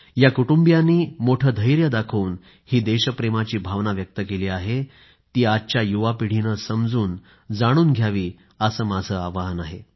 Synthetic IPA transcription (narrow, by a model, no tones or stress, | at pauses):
jakuʈumbjanːiːmoʈʰəd̪ʱəjɾjəd̪akʰəuːn | hiːd̪eɕəpɾemat͡ɕiːbʱaʋnaʋjək̚t̪əkeliːaɦe | t̪iːat̪̚t͡ɕjajuʋapiɽ̤inəsəmd͡zuːn | d͡zaɽ̃uːnɡʱjaʋiː | əsəːmad͡zʱəːaʋaɦənaɦe